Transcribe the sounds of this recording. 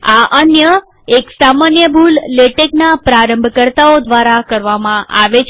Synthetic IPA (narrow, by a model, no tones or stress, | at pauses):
aʔənjə | eksamanjəbʱulːeʈeknapɾaɾə̃mbʱkəɾt̪aod̪ʋaɾakəɾʋamãʔa̰ʋet͡ʃʰ